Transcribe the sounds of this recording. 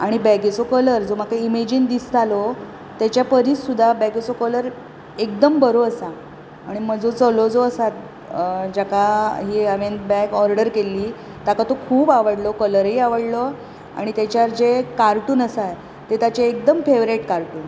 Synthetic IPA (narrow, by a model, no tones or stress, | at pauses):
aɽ̃ibɛɡit͡sokələɾd͡zom̤akaimed͡ʑind̪ist̪ʰalo | t̪jat͡ɕjapəɾiːssud̪ʱːabɛɡet͡sokələɾ | ek̚d̪əmbəɾoəsa | aɽ̃im̤əd͡zot͡səlod͡zoəsat̪̚ | d͡ʑakaɦiːəʋend̪bɛɡɔɾɖəɾkeliː | t̪akat̪okʰuːbaʋəɽlokələɾɦiːaʋəɽlo | a̰ɽ̃it̪jat͡ɕjaɾd͡zekaɾʈuːnəsaj | t̪et̪at͡ɕeːk̚d̪əmfeʋɾeʈkaɾʈuːn